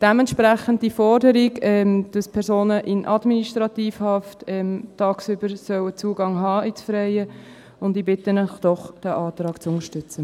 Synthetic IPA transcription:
d̥ɛmɛntʃpɾæχəndifɔɾdəɾiɡɛmd̥əspʰɛɾzoːnəʔɪnʔɑdminiʃtɾɑtiːfhɑftɛmtɑːksybəɾsœwət͡suəɡɑŋɦɑːit͡sfɾɛɪə | ʊndiːbɪtənœχd̥ɔχd̥æʔɑːt̪ɾɑːkt͡sʊnəɾʃtʏt͡sə

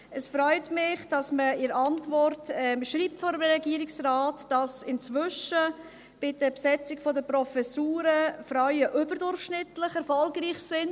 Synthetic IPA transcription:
əsfɾœʏtmɪχd̥ɑsməɪɾɑntvɔrtɛmʃɾiːp̚tfɔɾəɾɛɡiːəɾɪksraːtd̥ɑsɪnt͡svʏʃə | b̥ɪdəpsɛt͡sɪkfodəpɾɔfɛsuːɾəfɾaʏəʔʏbəɾdʊɾχʃnɪtlɪχɛɾfɔlɡriːχsɪn

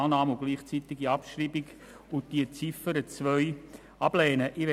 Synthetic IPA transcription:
nɑːmʊɡ̥liːχt͡sitɪɡiɑpʃriːbɪɡ | ʊnt̚d̥iət͡sifəɾət͡svʋœʏ | ɑb̥lɛːnəʔiʋɛ

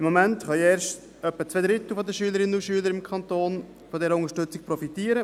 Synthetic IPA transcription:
ɪmːɔmæntχœɛːɾʃt | œpːət͡sʋed̪ɾɪt̪l̩fɔd̪əʃyːləɾɪnəuʃyːləɾɪmkʰɑnt̪oːn | fɔdɛːɾəʊŋəʃtʏt͡sɪk̚pɾɔfitiːəɾə

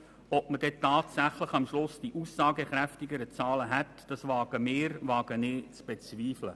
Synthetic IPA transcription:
ɔpməd̥ɛtɑːtsæχləχɑmʃlʊsd̥iʔusːɑːɡəχɾæftɪɡəɾət͡sɑːləɦɛtd̥ɑsvɑːɡ̥əmɪːɾvɑːɡ̥ənɪːt͡sb̥et͡sviːflə

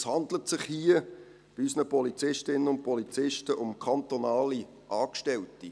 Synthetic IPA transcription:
shɑndlətsɪχhiə | b̥ɪysnəpɔlit͡sɪʃtɪnənʊnt̚pʰɔlit͡sɪʃtəʔʊmkʰɑnt̪onɑːli | ʔɑːkʃtɛlti

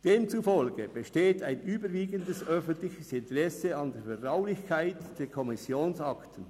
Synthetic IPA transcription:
d̥eːmt͡sufɔlɡəb̥eʃteːtʰaɪnʔyːbəɾviːɡəndəsœfəntlɪçəsɪntəʁɛseɑndeːɐfɛɐtʁaʊlɪçkʰaɪtd̥eːɐkʰɔmɪsjoːnsɑktən̩

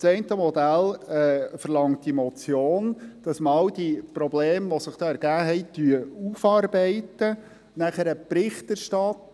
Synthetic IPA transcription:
t͡sɛɪntəmɔd̪ælɛfəɾlɑŋt̚d̥imɔt͡sjoːnd̥ɑsmɑwdipɾɔbleːmʋɔsɪχd̥ɑːɛɾɡ̥æːɦɛjt̪yəufɑːrbɛɪtə | næχəɾəpɾɪχt̪əɾʃtɑt

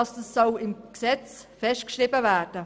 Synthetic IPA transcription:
ɑsdəsːɔlɪmksɛt͡sfɛʃt̚kʃrɪbəvæːɾd̥ə

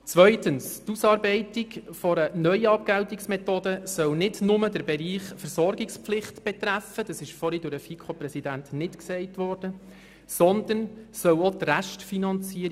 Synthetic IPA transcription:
t͡sʋœʏtənstusɑːɾbɛɪtiɡfɔɾənœʏɑːp̚ɡ̥æwtiksmɛt̪odəsœwnɪdnʊmədəɾbɛɾiːχfɛɾsɔɾɡɪksplɪχtb̥ɛt̪ræfəd̥ɑsɪʃfɔɾidʊɾəfikʰopɾɛsidæntnɪtksɛɪtʋɔrd̥ə | sɔnd̪ənsœwotræʃtfinɑnt͡siəɾ

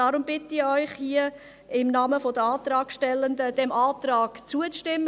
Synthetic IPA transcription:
ɑɾʊmbɪt̪iɔʏχhiə | ɪmnɑːməfod̪əɑːt̪rɑːkʃtɛlːəndəd̥ɛmʔɑːt̪ɾɑːɡ̥t͡suət͡sʃtɪmː

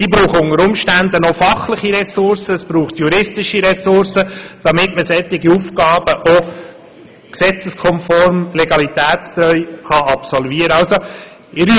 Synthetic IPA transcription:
d̥iːbɾuːχʊnəɾʊmʃtænd̪ənofɑχlɪχiɾɛsʊɾsəɛsb̥ɾuːχt̪juɾɪstɪʃiɾɛsʊɾsəd̥ɑmɪtməsɛt̪ːɪɡiufkɑːb̥əʔo | ksɛt͡səskʰɔmfɔɾmleɡɑlit̪æːtst̪ɾœʏχɑʔɑpsɔlviːəɾɑlso | ɪɾ

